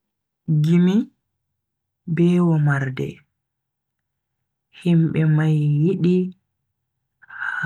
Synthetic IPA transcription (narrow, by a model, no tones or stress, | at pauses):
ɡimi | bɛːwɔmaɾdɛ̰ | himɓɛmajːiɗi | h